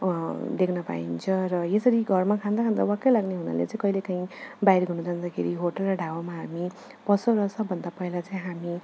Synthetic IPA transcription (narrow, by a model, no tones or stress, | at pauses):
d̪ekʰnʌpa̰ḭnt͡sʰʌ̃ɾʌjesʌɾiɡʱʌrmakʰãnd̪akʰand̪awakejlaɡneɦuna̰lḛt͡saĩkʌilekaĩbajɾɡʱunud͡zʱand̪akʰeɾiɦoʈʌlrʌɖʱawamaɦami | pʌsoɾʌsʌbʱʌnd̪apʌilat͡sʌĩɦami